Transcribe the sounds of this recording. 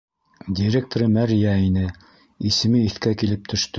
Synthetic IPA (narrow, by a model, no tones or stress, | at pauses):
dʲiɾʲek̚t̪oɾɤmæɾjæinɘ | isɘ̆mɘiθkækilɘp̚t̪ʰɵ̆ʃt̪ɵ